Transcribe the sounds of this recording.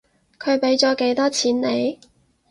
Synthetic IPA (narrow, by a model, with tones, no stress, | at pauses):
kʰɵ˨˧ɥpe˨˥jt͡sɔː˨˥ke˨˧˥jt̪ɔː˥t͡sʰiː˨˥nne˨˧j